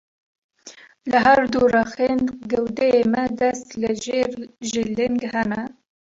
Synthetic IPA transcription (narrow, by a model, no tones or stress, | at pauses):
ləɦæɾd̪urɑxeːnɡɛwd̪ɛjemɛd̪ɛst̪ləʒeːɾʒɪlɪŋɡhɛnɛ